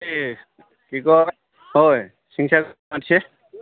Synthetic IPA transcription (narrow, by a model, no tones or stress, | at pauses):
kikɔ | hoj | siŋsakmatisʰɛ